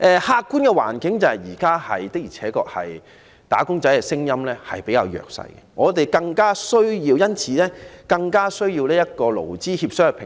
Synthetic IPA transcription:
ʔɛː˧haː˧kkːuː˥nkɛ˧wa̰ː˨˩nkɪ˨˥ŋt͡sɐ˨˧hɐ˨jjiː˨˩kaː˥hɐ̰˨jt̪ɪ˥k̚jiː˨˩t͡sʰɛː˨˥kɔː˧k̚hɐ̰˨j | t̪a̰ː˨˥kʊ˥ŋt͡sɐ˨˥jkɛ˧sɪ˥ŋjɐ˥mlɛː˥hɐ˨jpe˨˥jkaː˧wjœ̰ː˨k̚sɐ̰˧jkɛ̰˨ŋɔː˨˧t̪e˨jkɐ˧ŋkaː˥sɵ˥ɥjiː˧wjɐ˥nt͡sʰiː˨˧lɛː˥kɐ˧ŋkaː˥sɵ˥ɥjiː˧wlɛː˥jɐ˥t̚kɔː˧lo̰˨˩wt͡siː˥hiː˧p̚sœː˥ŋ˨pʰɪ˨

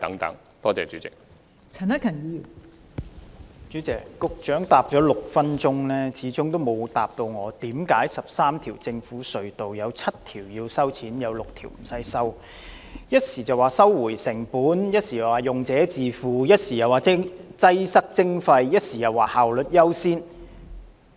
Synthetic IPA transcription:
t̪ɐ̰˨˥ŋt̪ɐ̰˨˥ŋ | t̪ɔː˥t͡sɛ̰ː˨t͡ʃy̰ː˨˥t͡sɪ˨k̚ | t͡sʰɐ˨˩nɐ˥kʰɐ˨˩njiː˧ | t͡ʃyː˨˥t͡sɛː˨˩kkʊ˧k̚t͡ʃœː˨˥ŋt̪aː˨p̚t͡ʃɔː˨˥lʊ˨k̚fɐ˥nt͡ʃʊ˥ŋlɛː˥t͡sʰiː˨˥t͡sʊ˥ŋt̪o˥wmo˨˧wt̪aː˨p̚t̪o˧wŋɔː˨˧t̪iː˨˥mkaː˨˥jsɐ˨p̚saː˥mt̪ʰiː˨˩wt͡sɪ˧ŋfuː˨˥sɵ˨ɥt̪o˨wjɐ˨˧wt͡sʰɐ˥t̚t̪ʰiː˨˩wji˧wsɐ˥wt͡sʰiː˨˥njɐ˨˧wlʊ˨k̚t̪ʰḭː˨˩wm̩˨˩sɐ˧˥jsɐ˥w | jɐ˥t̚siː˨˩t͡sɐ˨waː˨˩sɐ˥wːuː˨˩jsɪ˨˩ŋpuː˨˥njɐ˥t̚siː˨jɐ˨˩waː˨˩jʊ˨ŋt͡sɛː˨˥t͡siː˨fuː˨˩jɐ˥t̚siː˨˩jɐ˨waː˨˩˥t͡sɐ˥jsɐ˥k̚t͡sɪ˥ŋfɐ˧jjɐ˥t̚siː˨jɐ˨˩waː˨haː˨wlɵ˨t̚jɐ˥wsiː˥n

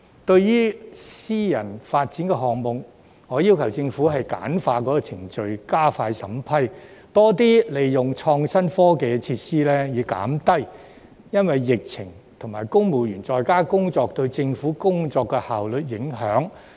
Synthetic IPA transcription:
t̪ɵ˧ɥjiː˥siː˥jɐ˨˩nfaː˧t̚t͡siː˨˥nkɛ˧ɦɔː˨ŋmʊ˨ŋ | ŋɔː˨˧jiː˥wkʰɐ˨˩wt͡sɪ˧ŋfu˨˥ɦɐ˨jka̰ː˨˥nfaː˧kɔː˨˥kɔː˧t͡sʰɪ˨˩ŋt͡ʃɵ˨˧ɥkaː˥faː˧jsɐ̰˨˥mpʰɐ˥jt̪ɔː˥t̪̬iː˥le˨jːʊ˨˩ŋt͡ʃʰɔː˧ŋsɐ˥nfɔː˥ke˨˧jt͡sʰiː˧t̚siː˥lɛː˥jiː˨˧˥ka̰ː˨˥mt̪ɐ˥j | jɐ˥nwɐ˨jːɪ˨k̚t͡sʰɪ˨˩ŋ | t̪ʰʊ˨˩ŋmaː˨jkʊ˥ŋmuː˨˩jyː˨˩nt͡sɔː˨˧jkaː˥kʊ˥ŋt͡sɔː˧k̚t̪ɵ˧ɥt͡sɪ˧ŋfuː˨˥kʊ˥ŋt͡sɔː˧kːɛ˧haː˨wlɵ˨t̚jɪ˨˥ŋɦœː˨˥ŋ

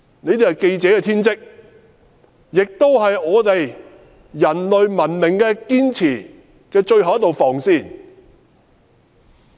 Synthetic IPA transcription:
ne˨˧jt̪e˨jhɐ˨˩ke˧jt͡sɛː˨˧kɛː˧t̪ʰiː˥nt͡sɪ˥k̚ | jɪ˨k̚t̪o˥wɦɐ˨jɔː˨˧t̪e˨j | jɐ˨˩nlɵ˨ɥmɐ˨˩nmɪ˨˩ŋkɛː˧kiː˥nt͡sʰiː˨˩ | kɛː˧t͡ʃɵ˧ɥhɐ˨wɐ˥t̪o˨wfɔː˨˩ŋsiː˧˩n

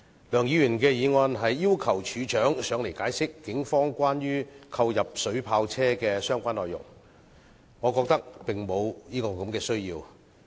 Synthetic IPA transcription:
lœː˨˩ŋjiː˨˧jy˨˩nkɛː˧jiː˨˧ŋɔː˧nɦɐ˨jːiː˥wkʰɐ˨˩wt͡ʃʰyː˨˧t͡ʃœː˨˥ŋsœː˨˧ŋle˨˩jkaː˨˥jsɪ˥kːɪ˨˥ŋfɔː˥ŋkʷaː˥njyː˥kʰɐ˧wjɐ˨p̚sɵ˨˥ɥpʰaː˧wt͡sʰɛː˥kɛː˧sœː˥ŋkʷaː˥nlɔː˨jʊ̰˨˩ŋ | ŋɔ˨˧kɔː˧k̚t̪ɐ˥k̚pɪ˨ŋmo˨˧wjiː˥kɔː˧kɐ˨˧˥mkɛː˧sɵ˥ɥjiː˧w

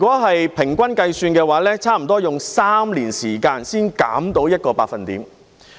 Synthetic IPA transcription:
y˨kɔː˨˥ɦɐ˨jpʰɪ˨˩ŋkʷɐ˥nkɐ˧jsyː˧nkɛː˧waː˨˥lɛː˥t͡sʰaː˥m̩˨˩t̪ɔː˥jʊ˨ŋsaː˥mliː˨˩nsiː˨˩kaː˧nsiː˥nka̰ː˨˥mt̪o˨˥wjɐ˥t̚kɔː˧pa̰ː˧k̚fɐ˨nt̪ḭː˨˥m

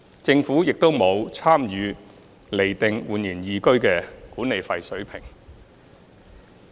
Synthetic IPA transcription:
t͡sɪ˧ŋfuː˨˥jɪ˨k̚t̪o˥wmo˨˧wt͡sʰaː˥mjyː˨˧ | le˨˩jt̪ɪ˨˧ŋwuː˨njiː˨˩njiː˨˧kɵ˥ɥkɛː˧kuː˨˥ne˨jfɐ˧jsɵ˨˥ɥpʰɪ˨˩ŋ

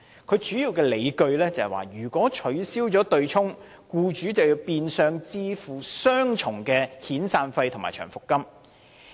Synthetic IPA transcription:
kʰɵ˨˧ɥt͡ʃyː˨˥jiː˧wkɛː˧le˨˧jkɵ˧ɥlɛː˥t͡sɐ˨hɛ˨˩wa̰ː˨˩jyː˨˩kʷɔː˨˥t͡ʃʰɵ˨˥ɥsiː˥wt͡sɔː˨˥t̪ɵ˧ɥt͡ʃʰʊ˥ŋ | kuː˧t͡ʃyː˨˥t͡sɐ˨wji˧wpiː˧nsœː˧ŋt͡siː˧fuː˨˩sœː˥ŋt͡ʃʰʊ˨˩ŋkɛː˧hiː˨˥nsaː˧nfɐ˧jt̪ʰʊ˨˩ŋmaː˨˩jt͡ʃʰœ̰ː˨˩ŋfʊ˨kːɐ˥m

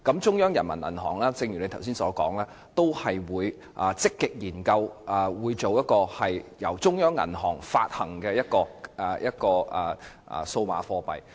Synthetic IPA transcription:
kɐ˨˥mt͡sʊ˥ŋjœː˥ŋjɐ˨˩nmɐ˨˩nɐ̰˨˩nɦɔ̰ː˨˩ŋlaː˥t͡sɪ˧ŋjyː˨˩ne˨˧jt̪ʰws̬iː˥nsɔː˨˥kɔː˨˥ŋlɛː˥ | t̪o˥whɐ˨jwuː˨˧j | ʔːt͡sɪ˥kːɪ˨k̚jiː˨˩nkɐ˧wʔɐ˨wuː˨˧jt͡so˨wjɐ˥t̚kɔː˧hɐ˨jjɐ˨˩wt͡sʊ˥ŋjœː˥ŋːɐ̰˨˩nɦɔː˨˩ŋfaː˧t̚hɐ˨˩ŋkɛː˧jɐ˥t̚kɔː˧˨˩jɐ˥t̚kɔː˧ɐ̰ː˨˩˨ | so˧wma̰ː˨˧fɔː˧pɐ̰˨j

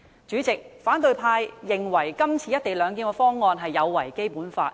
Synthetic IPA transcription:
t͡ʃyː˨˥t͡sɪ˨k̚faː˨˥nt̪ɵ˨˧ɥpʰaː˧jːɪ˨ŋwɐ˨˩jkɐ˥mt͡sʰiː˨˧jɐ˥t̚t̪e˨jlœː˨˧ŋk̬iː˧nkɔ˧fɔː˥ŋːɔː˧nɦɐ˨jːɐ˨˧wːɐ˨˩jke˥jpuː˨˥nfa̰ː˧t̚

